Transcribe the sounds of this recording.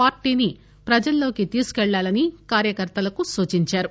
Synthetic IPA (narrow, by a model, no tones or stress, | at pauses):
paːɾʈiːni | pɾɐd͡ʒɐlːo̞ːkit̪iːsu̥kɛɭːaːlɐnikaːɾjɐkɐɾt̪ɐlɐkusuːt͡ʃiɲt͡ʃaːɾu